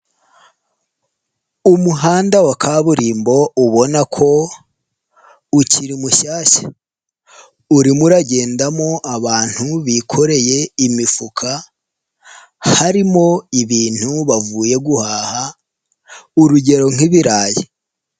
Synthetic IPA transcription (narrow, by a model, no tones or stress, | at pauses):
umuɦaːndawakʰaβuɾiːmbo̞uβo̞nakʰo̞ | ucʰiɾimuʃaːʃḁ | uɾimuɾaɟe̞ːndamo̞ʔaβaːn̥huβikʰo̞ɾe̞je̞imifukʰa | haɾimo̞iβiːn̥huβavuːje̞ɡuhaːha | uɾuɟe̞ɾo̞ŋ̥iβiɾaːje